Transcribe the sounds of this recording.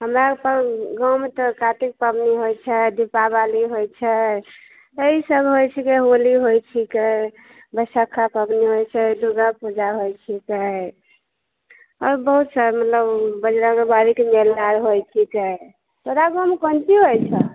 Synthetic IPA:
ɦəmɾapəɾɡəmt̪ɔkaʈik̚pəbniɦojt͡ʃʰɛd̪ipabaliɦojt͡ʃʰɛ | eisəbʱɦojt͡ʃʰikeɦoliɦojt͡ʃʰikɛ | bəsəkʰːapəbniɦojt͡ʃʰɛd̪uɡapud͡ʒaɦojt͡ʃʰikɛ | ɔɾbəɦut̪saɾmət̪ləbbəd͡ʒɾakebaɾikemelːaɾɦojt͡ʃʰikɛ | t̪oɾaɡəmkənt͡ʃiɦojt͡ʃʰɛ

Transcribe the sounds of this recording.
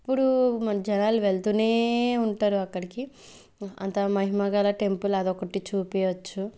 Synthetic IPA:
pːuɽumɐnɐd͡ʒɛnaːluʋeɭt̪uneːuɳʈaːɾuɐkːɐɽiki | ɐ̰nt̪amɐɦimɐɡaːlɐʈe̞mpulɐd̪ɔkɐʈit͡ʃuːpɛːjʋɐt͡ʃːu

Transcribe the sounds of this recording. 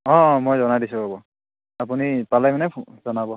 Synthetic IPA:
ɔ̃mojzɔnadisubabɔ | ap̬unipalajmanɛzɔnabɔ

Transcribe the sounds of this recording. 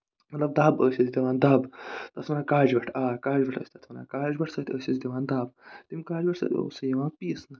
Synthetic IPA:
mɐt̪lɐb̚d̪aːbəːsizʲd̪iʋaːnd̪aːbt̪ɐt̪ʰmɐnaːkaːd͡ʒʋɐʈʰaːkaːd͡ʒʋɐʈʰɐ̰ːsʲt̪ɐt̪ʰmɐna̰ːkaːd͡ʒbɐʈʰsɐːt̪ʰʲəːsʲizd̪iʋaːnd̪aːbt̪imkaːd͡ʒʋɐʈʰsɐ̰t̪o̰ːsɐjɐʋãːpiːsnɐ

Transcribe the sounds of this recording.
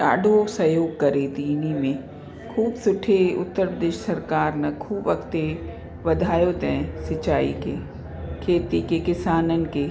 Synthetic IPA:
a̰ːɖʱoːsɐjoːɡ̚kɐɾet̪iːnimẽ | kʰuːbsʊʈʰeʊ̰t̪ːəɾpɾəd̪eːʃsɐɾkaːɾnɐkʰuːbʋɐkt̪e | ʋɐd̪ʱaːjot̪ɛ̃sɐt͡ʃaːḭke | kʰeːt̪ikekɪsaːnənke

